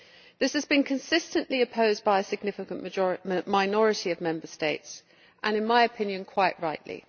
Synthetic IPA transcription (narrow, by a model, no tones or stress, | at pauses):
ðɪshəzbĩnkʰə̃nsɪstə̃nʔliəpʰəʊzbaɪəsɪɡ̚nɪfɪkə̃nmaɪnɒɹɪtiəvmɛ̃mbəsteɪts | ʔə̃nɪ̃nmaɪəpʰɪ̃njə̃nkʰw̥aɪʔɹaɪʔlḭ